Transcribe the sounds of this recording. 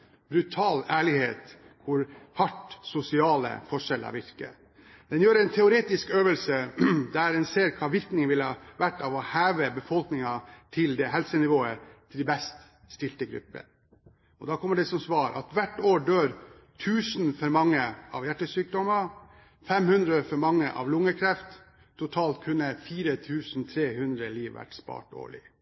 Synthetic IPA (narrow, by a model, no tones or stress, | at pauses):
bɾʉt̪ʰɑːlæːɭɪheːt̪ | kʰʊɾhɑʈsʊsɪɑːlə̰fɔʂɛlɑ̰ʋɪɾkə̰ | d̪̥ɛnjøːɾɛɪnt̪ʰɛʊɾeːt̪ɪskøːʋəlsəd̪æɾd̪ɛnseːɾkʰɑːʋɪɾknɪŋəʋɪlhɑːʋæʈːɑʋɔhæːʋəbəfɔlknɪŋɑt̪ʰɪld̪ɛɦɛlsənɪʋoːət̪ʰɪld̪ɛbɛst̪ | st̪ɪlt̪əɡɾʉ̰pːə̰ | ɔd̪ɑːkʰɔmːəɖɛsɔmsʋɑːɾʔɑ̰t̪ʋæʈːoːɖøːɾ | t̪ʰʉːsnfɔɾmɑŋːəɑ̰ʋjæʈːəsyːk̚d̪ɔmə | fɛmhʉnd̪ɾəfɔɾmɑŋːə̰ʔɑ̰ʋlʊŋːəkʰɾɛft̪ | t̪ʰːʊt̪ʰɑːlt̪̚kʰʉnːəfiːɾət̪ʰʉːsn̩t̪ʰɾeːhʉnd̪ɾəliːʋʋæ̰ʈspɑ̰ːʈo̰ːɭɪ̰